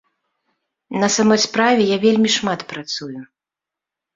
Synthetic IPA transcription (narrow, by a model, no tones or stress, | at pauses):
nɐsamɔjspɾavʲɛjavʲelʲmʲiʂmat̪pɾat̪suju